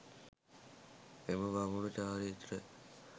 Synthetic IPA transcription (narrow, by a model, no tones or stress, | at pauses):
eməʋamulut͡ʃaːɾit̪ɾə